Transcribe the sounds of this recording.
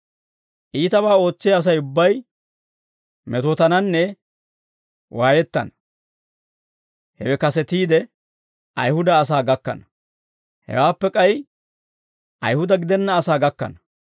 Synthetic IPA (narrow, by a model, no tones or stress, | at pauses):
ʔiːt̪ɐbaːo̞ːt͡sːɪjːs̬ɐjʊbːɐj | mɛt̪oːt̪ɐnɐnːɛ | wʔaːjɛt̪ːɐ̰nɐ | hɛ̰wɛkɐsɛt̪iːd̪ɛ | ʔɐ̰jhʊd̪ɐːs̬aːɡɐkːɐ̰nɐ | hɛ̰waːpːɛkʼɐj | ʔɐ̰jhʊd̪ɐɡɪd̪ɛnːɐːsaːɡɐkːɐ̰nɐ